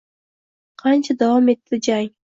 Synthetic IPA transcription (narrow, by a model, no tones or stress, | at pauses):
qʰɑnt͡ʃʰad̪awɒme̞t̪ːɪd͡ʒaj